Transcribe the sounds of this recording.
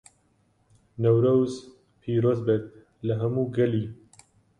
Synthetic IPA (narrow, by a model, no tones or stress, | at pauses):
nɐwɾɐwz | pʰiːɾoːzbet̪̚ | lɐɦɐmuːɡɐliː